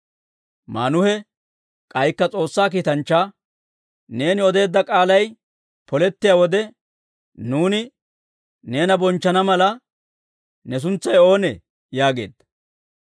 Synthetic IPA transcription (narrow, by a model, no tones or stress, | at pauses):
maːnʊhɛ | kʼɐjkːɐt͡sʼo̞ːsːaːk̬iːt̪ɐnt͡ʃːaː | ne̞ːnɪɔd̪e̞ːd̪ːɐkʼaːlɐj | pɔlɛt̪ːɪjaːwɔd̪ɛ | nuːnɪ | ne̞ːnɐbɔnt͡ʃːɐnɐmɐlɐ | nɛs̬ʊnt͡sːɐjo̞ːnɛ | jaːɡe̞̰ːd̪ːɐ